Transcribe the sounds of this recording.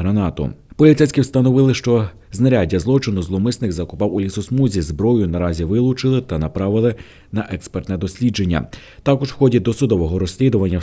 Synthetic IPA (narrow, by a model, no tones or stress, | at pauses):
ɦɾɐnɑt̪ʊ̰pɔlʲit̪sɛjsʲkʲɪwst̪ɐnɔʋɪlˠɪʃt͡ʃɔ | znɐɾʲadʲːɐzlˠɔt͡ʃɪnʊzlˠɔmɪsnɪkzɐkʊpɑwʊlʲisʊsmuzʲizbɾɔjʊnɐɾɑzʲiʋɪlˠʊt͡ʃɪlˠɪt̪ɐnɐpɾɑʋɪlˠɪ | nɐʔɛkspert̪nɛd̪ɔsʲlʲid͡ʒe̞nʲːɐ̰ | t̪ɑkɔʒwxɔdʲid̪ɔsʊd̪ɔʋɔɦɔɾɔsʲlʲid̪ʊʋɐnʲːɐ